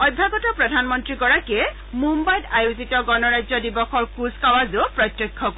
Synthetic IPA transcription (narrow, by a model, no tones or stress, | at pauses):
ɔjbʱːaɡɔtɔpɹɔdʱanmɔntɹiɡɔɹakɛ | mumbajdajuzitɔɡɔnɔɹajzɔdibɔxʰɔɹkuzkawazopɹɔtjɔkʰːɔk